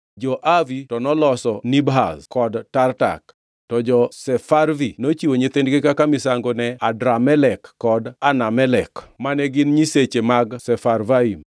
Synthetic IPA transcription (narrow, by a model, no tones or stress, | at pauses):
d͡ʒɔʔavitɔnɔlɔsɔnibɦa̰zkɔdtarta̰k | tɔd͡ʒɔsɛfarvinot͡ʃiwoɲet̪endɡekakamɪsaŋɡonɛadɾamɛlɛkːɔdanamɛlɛkmanɛɡɪnɲiset͡ʃemaɡsɛfarvaim